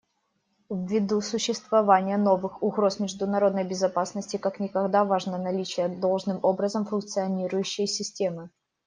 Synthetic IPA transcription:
vːʲɪd̪usʊɕːɪst̪vɐvanʲɪjəno̞vɨxʊɣɾo̞smʲɪʐd̪ʊnɐɾo̞d̪nəjbʲɪzɐpasnəsʲtʲɪkaknʲɪkɐɡd̪avaʐnənɐlʲit͡ɕɪjəd̪o̞lˠʐnɨmo̞bɾəzəmfʊnk̚t̪sɨɐnʲiɾʊjʉɕːɪjsʲɪsʲtʲe̞mɨ

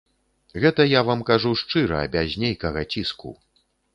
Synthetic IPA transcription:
ɣɛt̪ɐjavamkaʐuʂt͡ʂɨɾɐ̰ːbʲazʲnʲejkɐɣɐt͡sʲiskṵ

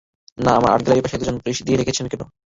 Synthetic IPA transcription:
naama̰ɾa̰ɾɡelaɾipaʃed̪ud͡ʑonːopuɾiʃd̪ijeɾekʰet͡ɕʰenkeno̰

